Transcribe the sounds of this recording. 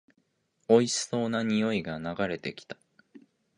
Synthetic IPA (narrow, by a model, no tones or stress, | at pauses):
o̞iɕso̞ːnaɲ̟ijo̞iɡanaɡaɾe̞t̪e̞kʲi̥t̪ḁ